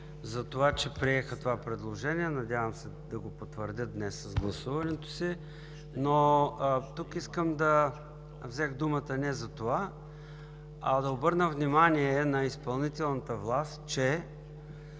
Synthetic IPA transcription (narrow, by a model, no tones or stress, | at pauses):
zɐt̪ovat͡ʃɛpɾiɛxət̪ovapɾɛd̪lˠoʒɛniɛnɐd̪ʲavəmsɛd̪ɐɡopot̪vəɾd̪ʲət̪̚d̪nɛsːɐzɡlˠɐsuvɐnɛt̪o̥si | no | t̪ukiskəmd̪ɐ | vzɛxd̪umət̪ənɛzɐt̪ova | ɐ̰d̪ɐobɤɾnəvnimaniɛnɐispɐlˠnit̪ɛlˠnət̪əvlˠast̪t͡ʃɛ